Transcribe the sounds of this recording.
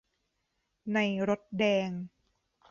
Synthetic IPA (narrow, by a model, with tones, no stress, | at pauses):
na˧jɾo˦˥t̪̚dɛː˧ŋ